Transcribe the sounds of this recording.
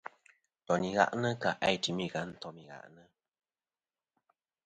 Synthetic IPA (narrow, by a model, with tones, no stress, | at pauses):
tɔ˨ni˨ɣa̰˦ʔnə˦ka˨ʔa˦jti˨mi˦˨ɣa˨˦n̩˦tɔ˦mi˨ɣa̰˨ʔnə˦